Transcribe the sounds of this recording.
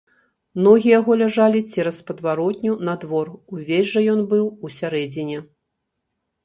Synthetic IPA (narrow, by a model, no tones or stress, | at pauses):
mnɔɣʲijaɣɔlʲaʐalʲit͡sʲɛɾɐspɐd̪vaɾɔt̪ʲnʲunɐd̪vɔruvʲezʲʐɐjɔnbɨwusʲaɾɛd͡zʲinʲɛ